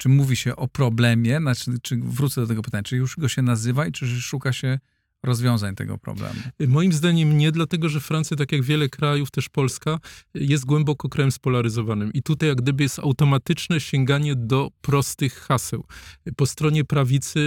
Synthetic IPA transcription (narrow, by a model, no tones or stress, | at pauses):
t͡ʂɘmuvʲiɕɛʔɔpɾɔblɛmʲjɛnat͡ʂɘvɾut̪sɛd̪ɔt̪ɛɡɔpɘt̪aɲat͡ʂjuʐɡɔɕɛnazɘvait͡ʂɘʂukaɕɛ | ɾɔzvʲjɔ̃w̃zaɲt̪ɛ̰ɡɔ̰pɾɔ̰blɛ̰mumɔjimzd̪aɲɛmɲɛd̪lat̪ɛɡɔʐɛfɾant̪sjat̪̬akjaɡvʲjɛlɛkɾajuft̪ɛʂpɔlskajɛst̪̚ɡwɛmbɔkɔkɾajɛmspɔlaɾɘzɔvanɘmʔit̪ut̪ajaɡd̪ɘbɘjɛst̪awt̪ɔmat̪ɘt͡ʂnɛɕɛŋɡaɲɛd̪ɔpɾɔst̪ɘxːasɛwpɔst̪ɾɔɲɛpɾavʲit̪sɘ